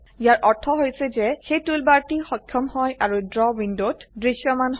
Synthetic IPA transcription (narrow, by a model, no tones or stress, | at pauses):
ijaɹʔɔɹtʰɔɦojsɛzɛxejtulbaɹtixɔkʰːɔmhɔjʔaɹudɹɔbindotdɹisjɔmanɦ